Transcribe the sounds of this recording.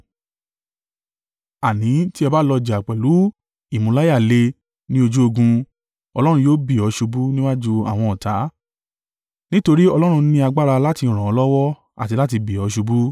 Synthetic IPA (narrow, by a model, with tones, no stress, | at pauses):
a˨nĩ˨˦ti˦ɛ˧ba˦lɔ˧d͡ʒa˨k͡pɛ˨lu˨˦ | i˦˨mũ˧la˦ja˦˨le˧ | nĩ˦o˧d͡ʒu˦o˧ɡũ˧ | ɔ˧lɔ˦ɾ̃ũ˧joː˦bi˦˨ɔ˨˧˦ʃu˧bu˦nĩ˦wa˦d͡ʒu˧a̰˦˨w̃ɔ̃˧ɔ˨ta˨˦ | nĩ˦to˧ɾi˦ɔ˧lɔ˦ɾ̃ũ˧nĩ˧a˧ɡ͡ba˦ɾa˧la˦ti˧˨ɾ̃ã˨ɔ˨˧lɔ˦wɔ˦ | a̰˨ti˧la˦t̬i˧bi˨ɔ˨˦ʃu˧bu˦